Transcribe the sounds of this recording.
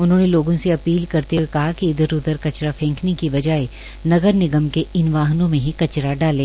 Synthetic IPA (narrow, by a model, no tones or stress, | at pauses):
ʊnɦõːneloːɡõseɐpiːlkɐɾt̪eɦwekɐɦakiɪd̪əɾʊd̪əɾkɐt͡ʃɾafʰɛ̃ːŋkʰnikiʋɐd͡ʒaːe | nɐɡəɾnɪɡəmkeɪnʋaːɦnõmẽɦikɐt͡ʃɾaɖaːlẽː